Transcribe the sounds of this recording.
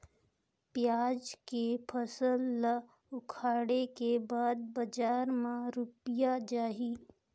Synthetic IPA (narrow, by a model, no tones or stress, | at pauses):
pjaːd͡ʒkepʰəsəlːa | ʊkʰaːɽekebaːd̪̚bɐd͡ʒaːɾmãɾʊpjad͡ʒaːɦi